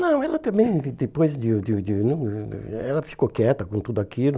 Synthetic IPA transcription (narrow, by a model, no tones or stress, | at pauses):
nɐ̃w̃ɛlɐt̪ɐ̃mbẽj̃d̪epojzd̪ɪd̪ɪd̪ɪnɐ̰̃ɛlɐfi̥kokɛt̪ɐkõt̪ud̪ʊakilʊ